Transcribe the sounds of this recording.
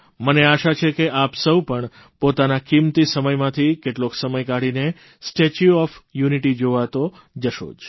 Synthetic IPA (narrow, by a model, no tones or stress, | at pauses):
məneaʃat͡ʃʰekeʔapsəwpəɳ | pot̪anakimt̪isəməjmãt̪ʰikeʈloksəməjkaɽine | sʈet͡ʃuɔfjuniʈid͡ʒoʋat̪o | d͡ʒəʃo̰d͡ʒ